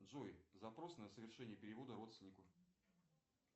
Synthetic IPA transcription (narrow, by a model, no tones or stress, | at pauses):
dʐojzɐpɾo̞snəsəvʲɪrʂɛnʲɪjəpʲɪɾʲɪvo̞d̪əɾo̞t̪st̪ʲɪnʲɪkʊ